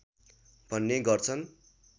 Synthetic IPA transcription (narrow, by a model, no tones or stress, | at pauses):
bʱʌnːeɡʌrt͡sʰʌn